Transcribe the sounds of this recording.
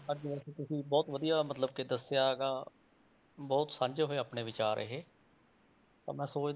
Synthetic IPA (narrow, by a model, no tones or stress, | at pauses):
əd͡ʒʋɛːkiːt̪ʊsĩːbɔːt̪ʋəd̪ijaːmət̪ləb̚kɪd̪əsjaːɡaː | bɔːt̪sãːɲd͡ʒeːɦoeːaːpɳeːʋɪt͡ʃaːɾə̰ɦeː | t̪a̰ːmɛ̃ːsoːt͡ʃd̪